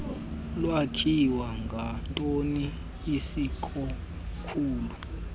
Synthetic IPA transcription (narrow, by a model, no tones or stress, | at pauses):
lwakʰiwaŋɡʱantʼoniː | sikʰʼɔ | kʰuːlu